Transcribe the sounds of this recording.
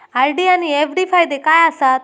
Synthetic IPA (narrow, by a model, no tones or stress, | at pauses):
ajɖianiefɖifʰajd̪ekajasat̪̚